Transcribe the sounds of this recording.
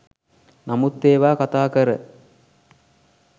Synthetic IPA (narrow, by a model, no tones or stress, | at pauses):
namut̪ːeːʋaːkat̪aːkəɾə̰